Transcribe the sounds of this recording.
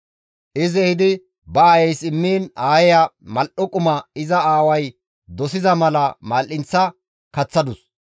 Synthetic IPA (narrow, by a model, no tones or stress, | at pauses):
ʔɪzɛhɪd̪ɪ | bɐːjɛjsɪmːiːnaːjɛjɐmɐlʔɔkʼʊmɐɪzɐaːwɐj | d̪ɔsɪzɐmɐlɐmaːlʔɪnt͡sːɐ | kɐt͡sːɐd̪ʊs